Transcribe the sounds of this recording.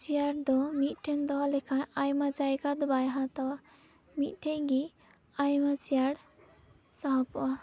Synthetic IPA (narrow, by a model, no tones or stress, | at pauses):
t͡ʃiaɽd̪ɔmiʈʰend̪ɔlekʰãajmat͡sajkad̪ubajɦãt̪ɔ | miʈʰeɡi | ajmat͡sijaɽ | saɦɔp